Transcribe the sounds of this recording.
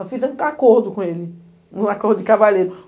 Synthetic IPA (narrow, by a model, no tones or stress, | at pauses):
fizẽnakoɾd̪ʊkõelɪ | ũakoɾd̪ʊd͡ʒɪkavaleɾʊ